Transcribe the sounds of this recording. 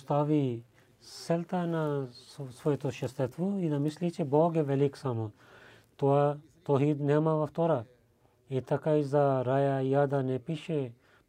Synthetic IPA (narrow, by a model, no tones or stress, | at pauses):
st̪aːʋi | sɛlt̪anasʋojet̪oʃɐst̪et̪ʋoid̪ɐmislit͡ʃeboːɡeʋɛliksamo | t̪oa | t̪oɦid̪nemaʋɐft̪oɾa | et̪ɐkaizaɾajajad̪anepiʃe